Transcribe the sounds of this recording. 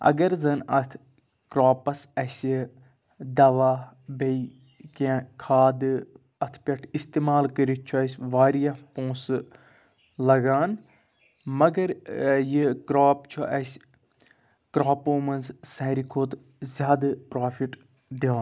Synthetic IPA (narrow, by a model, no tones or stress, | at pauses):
ɐ̰ɡɐɾzɐnɐt̪ʰ | kɾaːpɐsɐsʲi | d̪ɐʋaː | be | kãkʰaːd̪ɨ | ɐt̪ʰpʲɐʈʰist̪eːmaːlkɐɾit͡ʃʰuɐsʲʋaːɾijapõːs | lɐɡaːn | mɐɡɐɾjikɾaːpt͡ʃʰuʔɐsʲ | kɾaːpoːmɐnzsɐɾikʰoːt̪ | zʲaːd̪ɨpɾaːfʰiʈ | d̪eːn